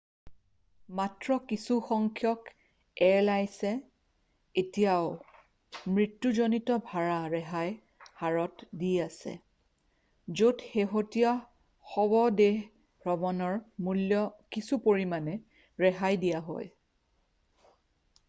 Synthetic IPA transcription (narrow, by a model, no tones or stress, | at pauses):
matɹɔkisuxɔŋkʰjɔk | ɛlajsɛ | etijaʊ | mɹitːuzonitɔbʱaɹaɹɛɦaj | haɹɔtdiasɛ̰ | zodxeɦotija | xɔbɔdeɦ | ɹɔbɔnɔɹmuljɔkisupoɹimanɛ | ɹɛɦajdijaɦɔ̰j